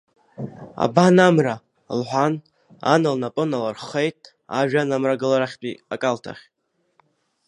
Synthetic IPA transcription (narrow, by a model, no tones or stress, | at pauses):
a̰banamra | lħʷan | a̰nalnapʼɨnalarχejtʼ | aʒᶣanamraɡɨlaɾaχʲpʼiakʼaltʰa̰χʲ